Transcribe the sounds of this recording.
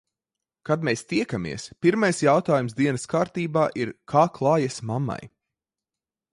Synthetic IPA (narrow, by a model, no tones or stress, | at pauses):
kad̪mɛst̪iɛkamʲḭɛspiɾmajsjawt̪aːjumsd̪iɛnɐskaːɾt̪iːbaːʔiɾkʰaːklˠɑːjɛsmama̰j